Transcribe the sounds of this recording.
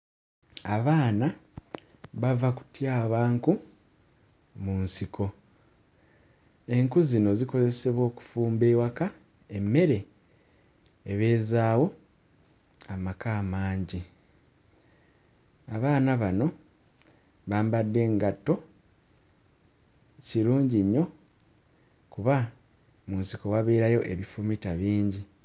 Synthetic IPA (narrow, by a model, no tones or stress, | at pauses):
aβaːna | βavaku̥tjaːβaːŋku | munsikʰo̞ | e̞ŋkuzino̞ziko̞ze̞se̞βwo̞ːku̥fuːmbe̞ːwaka | emːe̞ɾe̞ | βe̞ːzaːwo̞ | amakaːmaːɲɟi | aβaːnaβano̞ | βaːmbadːe̞ŋɡatːo̞ | ciɾuːɲɟiɲːo̞ | kuβa | munsikowaβeːɾajo̞ʔe̞βifumitaβiːɲɟi